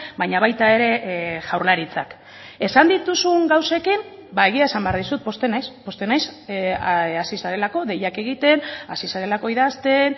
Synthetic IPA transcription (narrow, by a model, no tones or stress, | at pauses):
bajɲaβ̞ajt̪ae̞ɾe̞ʝawɾlaɾit͡sak | e̞sand̪it̪usuŋɡawse̞kim | bae̞ɣ̞iaesambe̞aɾð̞isut̪̚po̞st̪e̞najspo̞st̪e̞najs | asisaɾe̞lako̞ðe̞jake̞ɣ̞it̪e̞nasisaɾe̞lako̞iðast̪e̞n